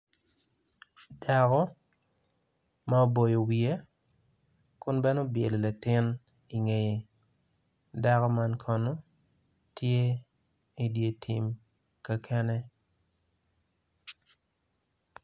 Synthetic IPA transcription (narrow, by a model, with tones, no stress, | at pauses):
da˨kɔ˦ | ma˦o˦bo˨jo˨wie˦ | kʊ˦nbɛ˦no˦bje˨lo˨la˨tɪ˦n | i˨ŋe˨je˨ | da˦kɔ˦ma˦nkʰɔ˨no˦ | tʰje˦ | i˨dje˨tʰi˨m | ka˦kʰɛ˦nɛ˦